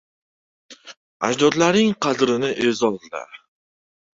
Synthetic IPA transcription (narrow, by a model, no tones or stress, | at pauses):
a̰d͡ʒd̪ɒd̪laɾnɪŋqʰɑd̪ɾɪnɪʔezɒzd̪a̰